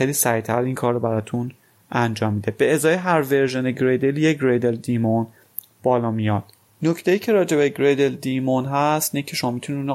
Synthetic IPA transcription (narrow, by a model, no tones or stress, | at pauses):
xejliːsæɾit̪ʰæɾinkʰɒːɾːɔbæɾɒːt̪ʰun | ʔænd͡ʒɒːmːiːd̪eb̥e̞ezɒːjeɦæɾve̞ɾʒeneɡɾed̪eljeɡɾed̪eld̪imon | b̥ɒːlɒːmijɒd̪̥ | no̞cʰt̪ʰejiːcʰe̞ɾɒːd͡ʒe̞beɡɾed̪eld̪imonɦæst̪inecʰe̞ʃo̞mɒːmit̪uniun